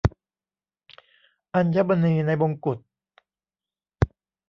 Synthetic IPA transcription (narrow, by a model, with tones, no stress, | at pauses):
ʔa˧nt͡ɕʰa˦˩ba˧niː˧na˧jbo˧ŋku˨˩t̪̚